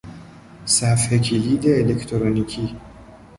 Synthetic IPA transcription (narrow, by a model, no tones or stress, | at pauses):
sæfhekʰiliːd̪eːlekʰt̪ʰoɾonikʰiː